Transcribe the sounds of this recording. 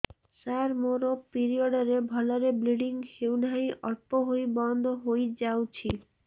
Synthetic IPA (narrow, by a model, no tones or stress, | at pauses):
saɾmoɾopiɾioɖaɾebʱɔlaɾebliɖiŋhewnajʔɔɾpoɦojbɔnd̪ʱoɦojd͡ʑawt͡ɕʰi